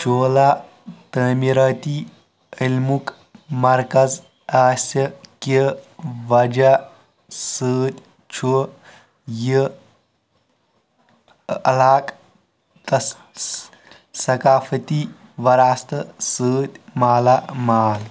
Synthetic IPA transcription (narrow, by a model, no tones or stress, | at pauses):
t͡ʃʰoːlaː | t̪əːmiɾaːt̪i | ilmuk | mɐɾkɐz | aːsʲɐkiʋɐd͡ʒa | səːt̪ʲ | t͡ʃʰu | jə | ɐ̰laːk | t̪ɐ | sɐkaːfɐt̪i | ʋɐɾaːst̪ɐsəːt̪ʲmaːlaːmaːl